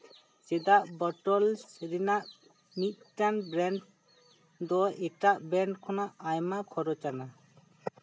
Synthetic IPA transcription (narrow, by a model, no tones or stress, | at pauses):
t͡ʃɛd̪aʔbɔʈɔlsiɾinaʔ | mit̪̚ˀʈanbɾɛɳʈ | d̪ɔɛʈaʔbɛɳʈkʰɔnaʔajmakʰɔɾɔt͡ʃana